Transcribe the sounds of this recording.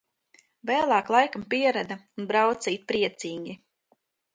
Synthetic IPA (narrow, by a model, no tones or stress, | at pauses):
vɛːlˠaːklˠajkampiɛɾad̪aunbɾawt̪siit̪̚pɾiɛt̪siːɡʲi